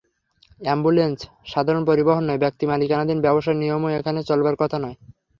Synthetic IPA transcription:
ɛmbulens | ʃad̪ʱaɾonpoɾiboɦonːɔebɛk̚t̪imalikanad̪inbɛboʃaeɾnijomoekʰanet͡ɕolbaɾkɔt̪ʰanɔe

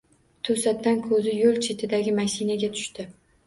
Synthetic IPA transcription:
t̪ʰɵsat̪ːankʰɵzɪjolˠt͡ʃʰet̪ʰɪd̪aɡʲɪmaʃinaɡʲat̪ʰʊ̥ʃt̪ɪ

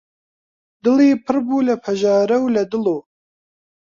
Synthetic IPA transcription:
d̪ɨliːpʰɨɾbuːlɐpʰɐʒɑːɾɐwlɐd̪ɨloː

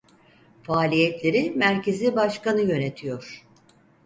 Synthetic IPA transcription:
faːlʲijɛt̪lʲe̞ɾimæɾcʰe̞zibaʃkanɯjø̞ne̞t̪ʰijo̞ɾ̥

